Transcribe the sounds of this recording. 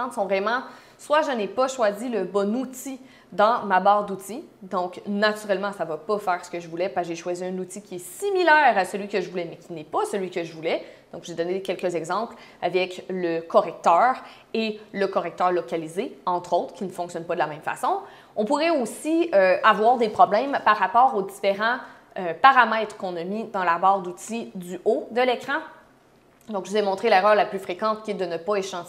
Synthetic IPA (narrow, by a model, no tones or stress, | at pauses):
t̪sɔ̃vʁɛmɑ̃ | swaʒənɛpaʃwaziləbɔnut̪i | d̪ɑ̃mabɑːʁd̪ut̪id̪ɔ̃knat̪yʁɛlmɑ̃savapafɛːʁsə̥kəʒəvulɛpaʒeʃwaziœ̃nut̪ikʲiɛsimilɛːʁasəlɥikəʒəvulɛmɛkʲinɛpasəlɥikəʒəvulɛd̪̥ɔ̃kʒəed̪ɔnekʲɛlkəzɛɡzɑ̃ːpl | avɛkləkɔʁɛk̚t̪œːʁ | eləkɔʁɛk̚t̪œːʁlɔkʲalizeɑ̃t̪χot̪χkʲinəfɔ̃ksjɔnpad̪əlamɛ̃mfa̰sɔ̃ | ɔ̃puʁɛosiøavwaːʁd̪epχɔblɛmpaʁːapɔːʁod̪ifeʁɑ̃ | øpaʁamɛt̪χkɔ̃namid̪ɑ̃labɑːʁd̪ut̪id̪yod̪əlekχɑ̃ | d̪ɔ̃kʒəuzɛmɔ̃t̪χelɛʁœːʁlaplyfχekɑ̃t̪̚kʲiɛd̪ənəpaeʃɑ̃